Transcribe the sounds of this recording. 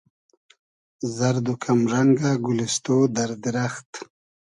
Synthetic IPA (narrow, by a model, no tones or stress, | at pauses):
zaɾd̪ukʰamʐɐŋɡaɡulist̪od̪aɾd̪iɾaxt̪